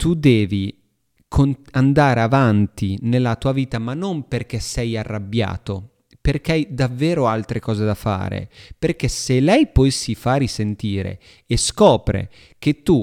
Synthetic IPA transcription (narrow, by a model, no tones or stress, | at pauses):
t̪ud̪ɛːvi | kʰonand̪aːɾeavant̪inelːat̪uːaviːt̪amanːomperk̟esɛjarːabja̰ːt̪o | perk̟eajd̪avːeːɾoalt̪ɾekɔːzed̪afa̰ːɾḛperk̟eselɛjpɔesːifaɾisent̪iːɾḛː | skɔːpɾḛ | k̟et̪ːu